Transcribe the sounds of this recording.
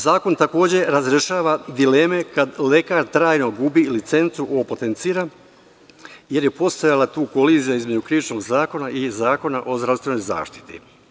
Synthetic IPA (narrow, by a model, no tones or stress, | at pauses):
zaːko̞nt̪ako̞ːd͡ʑe̞ɾazɾeʃaːʋad̪ile̞me̞kad̪le̞kaɾt̪ɾaːjno̞ɡubilit̪se̞nt̪suʔopot̪ent̪siːɾa | je̞ɾjepo̞st̪ajalat̪uːko̞liːzijaizmed͡ʑukɾiʋit͡ʃno̞ɡzaːko̞naʔizaːko̞naʔo̞zd̪ɾast̪eno̞jza̰ːʃt̪i̥t̪ḭ